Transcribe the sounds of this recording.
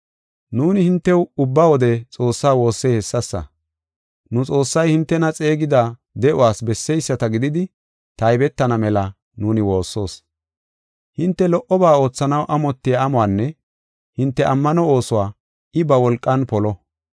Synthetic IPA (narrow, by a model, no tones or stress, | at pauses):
nuːnɪhɪnt̪ːɛwʊbːawɔd̪ɛt͡sʼo̞ːsːaːwo̞ːsːɛhɛsːɐsːɐ̰ | nʊt͡sʼo̞ːsːɐjhɪnt̪ːɛnɐt͡sʼe̞ːɡɪd̪a | d̪ɛʔʊwaːsbɛsːɛjsːɐt̪ɐɡɪd̪ɪd̪ɪ | t̪ɐjbɛt̪ːɐnɐmɛlɐ | nuːnɪwo̞ːsːo̞ːs | hɪnt̪ːɛlɔʔɔbaːo̞ːt͡sːɐnɐwʔɐmɔt̪ːɪjaːmʊaːnːɛ | hɪnt̪ːɛʔɐmːɐnɔoːsʊwaː | ɪbɐwɔlkʼːɐnpɔlɔ